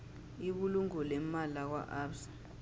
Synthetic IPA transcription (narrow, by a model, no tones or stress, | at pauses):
iɓuluŋɔlɛmalak̬wa̰ʔapsḁ